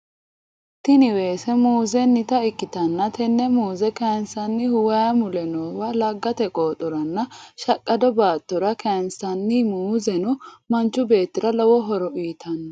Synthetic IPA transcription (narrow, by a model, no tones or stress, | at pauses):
t̪ɪnɪweːsɛmuːzɛnːɪt̪ɐɪkːɪt̪ɐnːɐt̪ɛnːɛmuːzɛkɐnsɐnːɪhʊwɐjɐmʊlɛnoːwɐlɐɡːɐt̪ɛkʼoːt̪ʼɔɾɐnːɐʃɐkʼːɐd̪ɔbaːt̪ːɔɾɐkɐnsɐnːɪmuːzɛnʊmɐnt͡ʃːʊbe̞ːt̪ːɪɾɐlɔwɔɦɔɾɔʔiːt̪ʰɐnːɐ